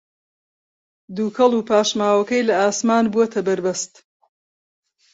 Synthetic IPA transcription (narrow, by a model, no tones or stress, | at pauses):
d̪uːkʰɐlˠuːpʰaːʃmaːwɐkɐjlɐaːsmaːnbuɐt̪ʰɐbɐɾbɐst̪